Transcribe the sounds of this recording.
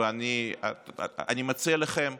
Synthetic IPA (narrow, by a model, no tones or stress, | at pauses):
anḭ | a̰nimat͡sialaχem